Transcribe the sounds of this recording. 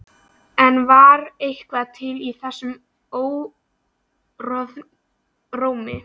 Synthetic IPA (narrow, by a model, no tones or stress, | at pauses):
ɛnvaɾejhkvaðt̪ʰɪliθɛsːʏm | oːw | rɔð | roːwmɪ̰